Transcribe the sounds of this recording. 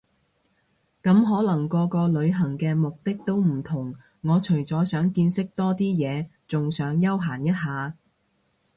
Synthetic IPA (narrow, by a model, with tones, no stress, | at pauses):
kɐ˨˥mɦɔː˨˥lɐ˨˩ŋkɔː˧kɔː˧lɵ˨˧ɥɦɐ˨˩ŋkɛː˧mʊ˨k̚t̪ɪ˥k̚t̪o˥wm̩˨˩t̪ʰʊ˨˩ŋː | ɔː˨˧t͡ʃʰɵ˨˩ɥt͡sɔː˨˥sœː˨˥ŋkiː˧nsɪ˥k̚t̪ɔː˥t̪iː˥jɛː˨˧t͡sʊ˨ŋsœː˨˥ŋjɐ˥wɦaː˨˩njɐ˥t̚ɦaː˨˧